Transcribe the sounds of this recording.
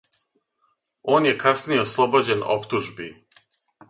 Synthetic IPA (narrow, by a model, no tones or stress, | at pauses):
o̞ːnje̞kasnijeoslˠobod͡ʑe̞no̰pt̪uʒbi